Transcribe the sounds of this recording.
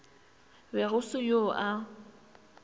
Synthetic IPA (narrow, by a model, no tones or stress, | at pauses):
bɛɣʊsʊjoʔa